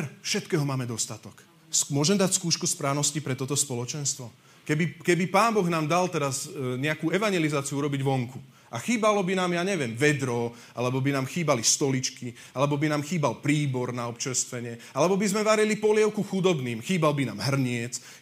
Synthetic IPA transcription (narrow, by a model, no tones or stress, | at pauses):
ɛɾfʃɛt̪kɛːɦɔmaːmɛd̪ɔst̪at̪ɔk | smʊɔʒɛmd̪acskuːʃkuspɾaːʊnɔscipɾɛt̪ɔt̪ɔspɔlɔt͡ʃɛnst̪ʋɔ | kɛbikɛbipaːnbɔɣnaːmd̪alt̪ɛɾazɲɛakuɛʋaɲɛlizaːt͡siuuɾɔbiɟʋɔŋku | ʔaxiːbalɔbinaːmjaːɲɛʋɪɛmʋɛd̪ɾɔ | a̰lɛbɔbinaːmxiːbalist̪ɔlit͡ʃki | alɛbɔbinaːmxiːbalpɾiːbɔɾnaɔpt͡ʃɛst̪ʋɛɲɪɛ | alɛbɔbizmɛʋaɾilipɔlɪɛʊkuxud̪ɔbniːmxiːbalbinaːmɦr̩ɲɪɛt͡s